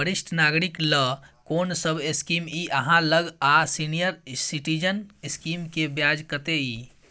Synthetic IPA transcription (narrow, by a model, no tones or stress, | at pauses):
bəɾisʈʰnaɡɾikləkonsəbeskimiʔəɦãləɡasinijəɾsiʈid͡ʒəneskimkebjad͡ʒkət̪ei